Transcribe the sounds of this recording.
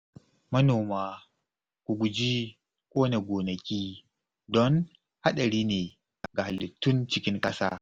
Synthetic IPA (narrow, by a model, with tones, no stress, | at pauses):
mɐ˦noː˨maː˦ | kʷu˨ɡʷʊ˨d͡ʒi˦ | kʷʼoː˦na˨ɡʷoː˨nɐ˨kʲiː˦ | dɔ˦n | ha˦ɗɐ˨ɽiː˦neː˨ | ʔa˨ɡa˨ha˨lːɪ˨tːʊ˦nt͡ʃɪ˦kʲɪ˦ŋkʼɐ˦sa̰ː˦